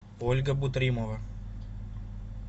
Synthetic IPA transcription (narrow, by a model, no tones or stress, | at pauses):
olʲɡɐbut̪ɾimoʋɐ